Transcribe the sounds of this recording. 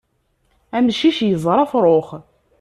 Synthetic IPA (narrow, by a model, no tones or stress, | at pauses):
æmʃiʃjəzˤɾˤɑfɾˤoχ